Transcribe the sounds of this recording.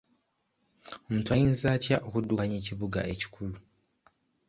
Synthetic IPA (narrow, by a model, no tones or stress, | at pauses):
omuːtuajiːnzaːtjaʔo̞kudːukaɲeciβuɡaʔe̞ci̥kʰulu